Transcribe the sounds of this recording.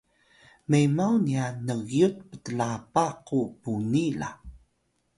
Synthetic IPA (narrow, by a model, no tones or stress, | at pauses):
mejmawnianəɣjut̚pə̥təlapaqupunila̰